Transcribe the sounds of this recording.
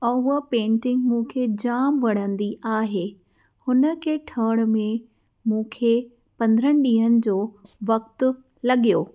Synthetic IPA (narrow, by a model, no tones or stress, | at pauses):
əːɦʊəpẽːɳʈɪ̃ŋɡmũːkʰed͡ʑaːmʋɐɽ̤ə̃nd̪iʔaːɦe | hʊnə̆kʰeːʈʰəːɽ̃̆mẽ | mũːkʰe | pɐ̃nd̪əɾəñɪ̆ɗĩːɦənɪ̆d͡ʑoːʋɐk̚t̪ʊ̆ | lɐɠijoː